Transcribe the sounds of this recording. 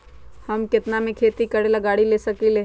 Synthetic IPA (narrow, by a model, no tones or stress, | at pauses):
hɐmkɪt̪namẽkʰeːt̪ikɐɽelɐɡaːɽileːsɐkileː